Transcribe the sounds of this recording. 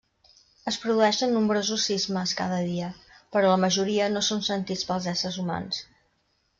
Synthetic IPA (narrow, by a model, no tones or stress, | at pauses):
əspɾuðuɛʃənːumbɾozusizməska̰ðəðiəpəɾɔləməʒuɾiənosonsənt̪it͡spəlˠzɛsəɾzuma̰ns